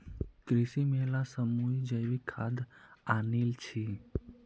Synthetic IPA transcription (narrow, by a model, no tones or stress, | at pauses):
kɾisimelasəmujd͡ʒəjʋikʰad̪anilt͡ʃʰi